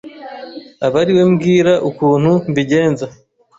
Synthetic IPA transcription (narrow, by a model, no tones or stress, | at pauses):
aβaɾiwe̞mɡiːɾaʔukuːn̥humbiɟe̞ːnza